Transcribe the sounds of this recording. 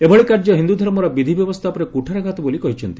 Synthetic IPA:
ebʱɔɭikaɾd͡ʒɔɦind̪ud̪ʱɔɾmɔɾabid̪ʱibjɔbɔst̪ʰapɔɾekuʈʰaɾaɡʱat̪ɔbolikɔɦit͡ʃʰɔnt̪i̥

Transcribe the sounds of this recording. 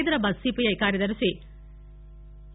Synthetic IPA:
jd̪ɐɾɐbɐsːiːpijɐjkaːɾjɐd̪ɐɾusi

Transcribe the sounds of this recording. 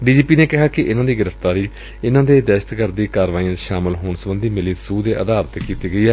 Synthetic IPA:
ɖiːd͡ʒiːpiːneːkɪɦaːkɪʔɪnãːd̪iːɡɪɾəft̪aːɾiː | ɪnãːd̪eːd̪ɛːʃət̪kəɾd̪iːkaːɾʋaːiə̃ʃaːmɪlɦoːnsəbənd̪iːmɪliːsuːd̪eːʔəd̪aːɾət̪kiːt̪iːɡəiːɛː

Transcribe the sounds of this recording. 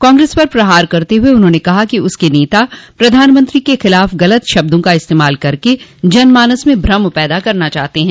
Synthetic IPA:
kãːŋɡɾeːspɐɾpɾɐɦaːɾkɐɾt̪eɦʊeʊnɦõːnekɐɦakiʊskeneːt̪apɾɐd̪ʱaːnmɐ̃nt̪ɾikexɪlaːfɣɐlət̪ʃɐb̚d̪õkaɪst̪eːmaːlkɐɾked͡ʒɐnmaːnəsmẽbʱɾɐmpɛːd̪akɐɾnat͡ʃaːɦt̪eɦɛ̃ː

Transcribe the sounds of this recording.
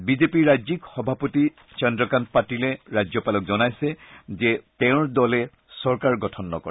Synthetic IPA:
bizepiɹazikxɔbʱapoti | t͡ʃɔndɹɔkant̚patilɛɹazɔpalɔk̚zɔnajsɛzɛtɛʊ̃ɹdɔlɛ | sɔɹkaɹɡɔtʰɔnːɔ̰kɔ̰ɹ

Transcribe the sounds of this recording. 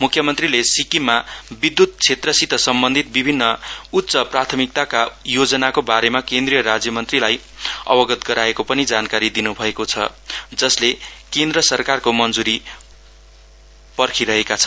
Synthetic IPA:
mukʰjʌmʌnt̪rilesikimabid̪ːut̪̚t͡sʰet̪rʌsit̪ʌsʌmbʌnd̪ʱit̪̚bibʱinːʌut̪ːsʌprat̪ʰʌmik̚t̪akajod͡zʌnakobaɾemakend̪rijʌɾad͡zjʌmʌnt̪rilaj | ʌ̰bʌɡʌt̪ɡʌɾaekopʌnid͡zankaɾid̪inubʱʌekot͡sʰʌd͡zʌslekend̪rʌsʌrkarkomʌnd͡zuɾi | pʌrkʰiɾʌɦekat͡sʰʌ̥n

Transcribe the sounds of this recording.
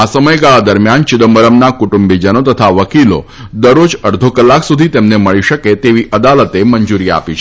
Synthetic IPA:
asəməjɡaɭad̪əɾmjant͡ʃɪd̪əmbəɾəmnakuʈumbid͡ʒənot̪ət̪ʰaʋəkilo̰ | d̪əɾːod͡ʒəɽd̪ʱokəlːaksud̪ʱit̪emneməɭiʃəket̪eʋiʔəd̪alət̪emənd͡ʒuɾia̰pit͡ʃʰe

